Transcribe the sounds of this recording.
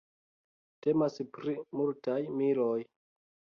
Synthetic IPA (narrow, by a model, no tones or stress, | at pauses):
te̞maspɾimultajmiɾoj